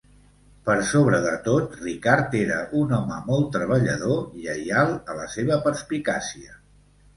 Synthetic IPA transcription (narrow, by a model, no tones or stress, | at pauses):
pəɾsoβɾəðət̪ot̪rikaɾt̪eɾəʔunɔməmɔlˠt̪ːɾəβ̞əʎəð̞oiəjalˠələseβ̞əpəɾspikasiə